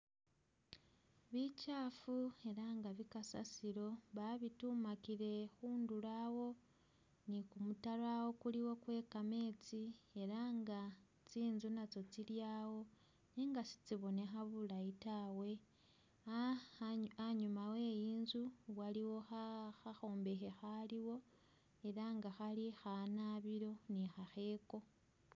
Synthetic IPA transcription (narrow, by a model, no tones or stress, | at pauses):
βicaːfue̞ɾaːŋɡaβikasa̰siɾo̞βaβitumakiɾe̞xuːndulawo̞ | nikumutalwawo̞kuliwo̞kwe̞ːkame̞ːt͡sie̞ɾaːŋɡa | t͡siːnzunat͡so̞t͡siljaːwo̞ | niːŋɡasi̥t͡siβo̞ne̞xaβulajitawe̞ | aɲumawe̞jiːnzuwaliwo̞xaxaxo̞ːmbe̞xexaliwo̞ | e̞ɾaŋɡaxalixanaβiɾo̞nixaxe̞ːko̞